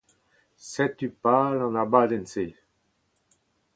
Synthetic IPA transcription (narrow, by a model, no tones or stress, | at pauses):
sɛt̪ypalɑ̃nabad̪ɛnse